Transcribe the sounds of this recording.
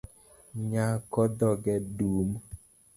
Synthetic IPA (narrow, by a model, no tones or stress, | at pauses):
ɲakɔdɔɡɛduːm